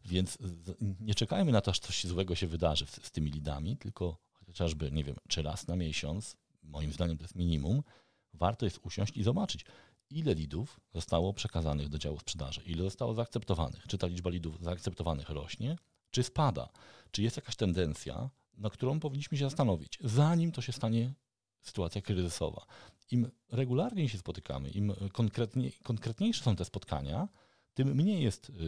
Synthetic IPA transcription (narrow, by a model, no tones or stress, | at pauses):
vʲjɛnt̪szɲɛt͡ʂɛkajmɘnat̪ɔaʂt̪sɔɕzwɛɡɔɕɛvɘd̪aʐɘst̪ɘmʲilʲid̪a̰mʲit̪ɘlkɔxɔɔt͡ɕaʐbɘɲɛvʲjɛ̰mt͡ʂɘɾa̰snamʲjɛɕɔnt̪s | mɔjimzd̪aɲɛmt̪ɔjɛst̪mʲiɲimum | vaɾt̪ɔjɛst̪uɕɔ̰̃w̃ɕt͡ɕizɔbat͡ʂɘt͡ɕ | ilɛlʲid̪ufzɔst̪awɔpʂɛkazanɨɣd̪ɔd͡ʑawuspʂɛd̪a̰ʐɨ̰ʔilɛzɔst̪awazaːkt̪ɛp̚t̪ɔva̰nɨ̰xt͡ʂɨt̪alʲid͡ʐbalʲid̪ufzaːk̚t̪sɛp̚t̪ɔvanɘxɾɔɕɲɛ | t͡ʂɘspad̪a̰t͡ʂɨjɛst̪jakaɕt̪ɛnd̪ɛnt̪sʲja̰ | nak̚t̪uɾɔ̃w̃pɔvʲiɲːiɕmɘɕ̬ɛzast̪anɔvʲḭt͡ɕzaɲimt̪ɔɕɛst̪aɲɛ | sɘ̥t̪uwat̪sʲjakɾɘzɘsɔ̰va̰im | ɾɛɡulaɾɲeɕ̬ɛspɔt̪ɘ̥ka̰mɘ̰ʔimkɔŋkɾɛt̪ɲɛkɔŋkɾɛt̪ɲejʂɛ̥sɔ̃w̃t̪ɛspɔt̪kʰa̰ɲa | t̪ɘmːɲejjɛst̪